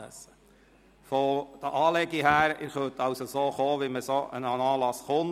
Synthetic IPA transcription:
ə̰s | fɔd̥əʔɑːlɛɡiɦæːɾɪχøt̪ɑwsosoːχoːʋiməsoːʔə̰nɑnɑːlɑsχʊn

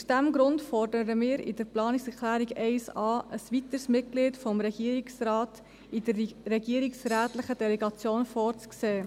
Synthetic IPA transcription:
usd̥æmɡɾʊntfɔrdəɾəmɪːɾɪ̰d̥əɾplɑːnɪksɛklæːɾiɡɛɪsɑːʔəsʋit̪əɾsmɪt̚ɡ̥liːtfɔmɾɛɡ̥iːɾiksrɑːt | ɪdəɾrɛɡiːɾiksræːtlɪχəd̥ɛlɛɡɑt͡sjoːnfɔːɾt͡skseː

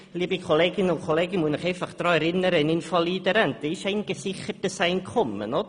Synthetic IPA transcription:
lˠiːbikʰɔleːɡɪnʊkʰɔleːɡɪmwunəχejfaχd̥rɔjɾɪnəɾənɪnfɔlˠiːdəɾɛntiʃejnɡəsɪχərd̥əsajnkʰʊmə̰nɔd

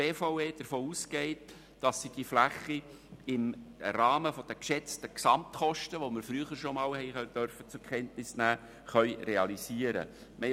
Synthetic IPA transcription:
eːfaʊeːd̥əɾfoːuːsɡ̥ɛɪt | d̥ɑsːid̥iflæχːi | ɪmrɑːməfɔd̥əkʃɛt͡stəksɑmt̪χɔʃtəʋomɪɾfɾyəχəɾʃomɑːlhɛɪd̥œɾfət͡sʊkʰχɛntnɪsnæː | χœʏɾeɑliziːəɾə̰ | mɛ

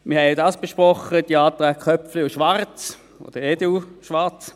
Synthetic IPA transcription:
mɪɐhɛodɑːsb̥eʃpʁɔχəd̥iɑːt̪ʁɛːkχœpflɪʊʃʋaʁt͡s | o̰d̥əeduʃʋaʁt͡s

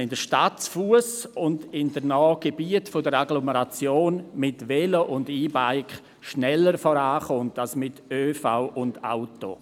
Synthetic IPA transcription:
ɪndəʃtatfuəsʊndɪndənɔːɡ̥ebiətfodəɾaɡloməɾat͡sjoːnmɪtʋɛloʔʊndiːbaɪkχ | ʃnɛləɾfɔɾaːχʊntalsmɪtøːfaʊʔʊnda̰ʊto̰

